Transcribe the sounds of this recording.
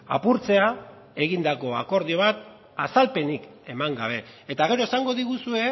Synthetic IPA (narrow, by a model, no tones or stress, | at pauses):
a̰puɾt͡se̞a | e̞ɣind̪ako̞a̰ko̞ɾðio̞β̞at̪ | asalpe̞nik | e̞maŋɡaβ̞e̞ːt̪aɣ̞e̞ɾo̞esaŋɡo̞ðiɣusue̞